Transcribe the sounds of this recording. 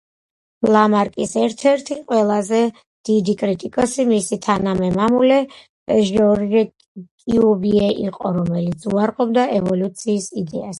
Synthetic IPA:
lˠamaɾkʼisɛɾt̪ʰɛɾt̪ʰiqʼwɛlˠazɛ | d̪̥id̪ikʼɾit̪ʼikʼɔsimisit̪ʰanamɛmamulɛ̥ | ɛʒɔɾiɾɛ | kʼiubiɛʔiqʼɔɾɔmɛlit̪sʰuaɾqʼɔbd̪aʔɛvɔlut̪sʰiːsid̪ɛas

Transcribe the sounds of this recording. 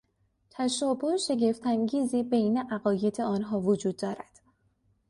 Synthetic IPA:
t̪ʰæʃɒːboeʃe̞ɟe̞ft̪ʰæŋɟiːziːbe̞jne̞ʔæɣɒːje̞d̪ʰeɒːnɦɒːvod͡ʒuːd̪̚ːɒːɾæd̪̥

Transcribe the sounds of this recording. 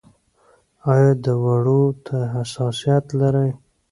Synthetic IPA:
ɑjɑd̪əwaɽot̪ʰaɦasɑsijat̪laɾəj

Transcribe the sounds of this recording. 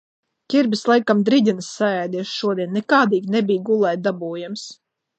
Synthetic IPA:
kʲiɾbʲislˠajkamd̪ɾid̪ʲinɨsːaɛjd̪iɛʃʃuɔd̪iɛnːɛkaːd̪iːɡnebijɡulˠɛjd̪abuːjams

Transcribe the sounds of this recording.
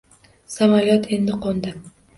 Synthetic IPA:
samajɒt̪ʰe̞nd̪ɪqond̪ɪ

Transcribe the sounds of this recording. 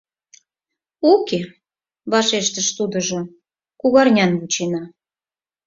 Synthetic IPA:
oke | βɑʃeʃt̪əʃt̪ud̪ə̆ʒo | kuɣɑrnʲɑnβut͡ɕenɑ

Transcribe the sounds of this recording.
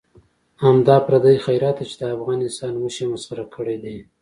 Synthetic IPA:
hamd̪ɑpɾad̪əjxajɾɑt̪ːet͡ʃed̪əafɣɑnɪst̪ɑnwəʃemasxaɾakʰəɽed̪i

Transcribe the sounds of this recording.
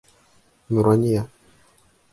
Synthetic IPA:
muɾwaɲia

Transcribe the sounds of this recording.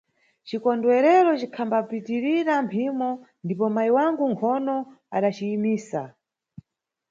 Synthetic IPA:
t͡ʃikɔndwɛɾɛɾɔt͡ʃikʰambapitiɾiɾampʰimɔ | ndipɔmaiwaŋɡuŋkʰɔnɔ | a̰ɗat͡ʃiːmiːsa

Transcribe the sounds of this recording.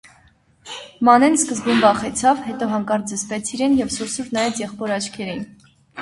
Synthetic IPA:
mɑnɛnskəzbumbɑχɛt͡sʰɑvhɛt̪ɔɦɑŋkɑɾd͡zəspɛt͡sʰiɾɛnjɛvsuɾsuɾnɑjɛt͡sjɛχpɔɾɑt͡ʃʰkʰɛɾin

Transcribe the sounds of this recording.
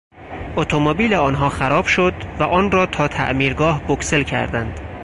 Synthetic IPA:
ʔot̪ʰomobiːleɒːnɦɒːxæɾɒːb̥ʃod̪væʔɒːnrɒːt̪ʰɒːt̪ʰæ̰ʔmiːɾɡɒːhbokse̞lcʰæ̰ɾd̪ænd̪̥

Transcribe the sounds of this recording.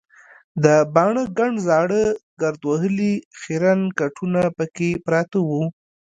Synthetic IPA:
d̪əbɑɳəɡaɳɖzɑɽəɡaɾd̪waɦəlixeɾankaʈʰunapəkepɾɑt̪awu

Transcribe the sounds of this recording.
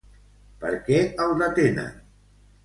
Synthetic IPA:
pə̰ɾkɛəlˠd̪ət̪enə̰n

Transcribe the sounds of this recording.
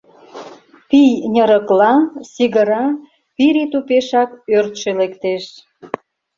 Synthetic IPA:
pijnʲəɾəklɑsiɣəɾɑ | piɾit̪upeʃɑkørt̪ʃelekt̪eʃ

